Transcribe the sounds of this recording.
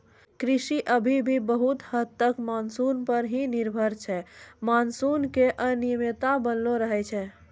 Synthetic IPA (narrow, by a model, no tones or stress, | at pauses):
kɾisiʔəbʱibʱibəɦut̪həd̪t̪ːəkmansunpəɾɦiniɾbʱəɾt͡ʃʰɛmansunkeʔənijəmet̪abənloɾəɦɛt͡ʃʰɛ